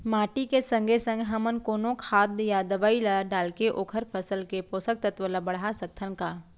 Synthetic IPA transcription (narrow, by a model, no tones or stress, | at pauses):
maːʈikesə̃ŋɡʱesə̃ŋɡɦɐmənkoːnõkʰaːd̪jad̪əʋaːilaɖaːlkeʔoːkʰəɾpʰəsəlkepoːsək̚t̪ət̪ʋəlabɐɽ̤ɦasɐk̚t̪ʰənkaː